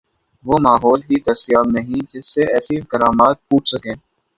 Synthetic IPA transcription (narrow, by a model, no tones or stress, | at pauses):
ʋoːmaːɦɔːlɦit̪ɐɾsijaːbnɐɦĩd͡ʒɪsːeɛːsikɐɾaːmaːt̪̚puːʈʰsɐkẽː